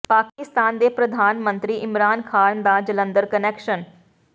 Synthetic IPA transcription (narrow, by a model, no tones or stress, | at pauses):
paːkɪst̪aːnd̪eːpɾəd̪ʱaːnmə̃nt̪ɾiːʔɪmɾaːnkʰaːnd̪aːd͡ʒələ̃nd̪əɾkənɛːkʃən